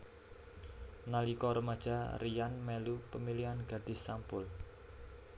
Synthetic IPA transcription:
nalikɔɾəmad̥ʒ̥a̤rijanmelupəmiliɦanɡ̥a̤d̪̥i̤sampʊl

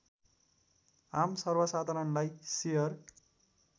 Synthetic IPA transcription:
ɦamsʌrbʌsad̪ʱʌɾʌnlajsejʌr

